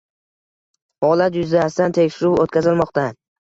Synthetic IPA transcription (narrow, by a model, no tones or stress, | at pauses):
hɒlat̪jʊzd̪ast̪ant̪ʰe̞kʲʃɪɾuot̪kʲazɪlmɒqt̪a